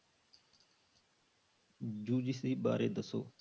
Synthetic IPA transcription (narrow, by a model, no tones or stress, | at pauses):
d͡ʒuːd͡ʒisiːɓa̰ːɾḛːd̪əso̰ː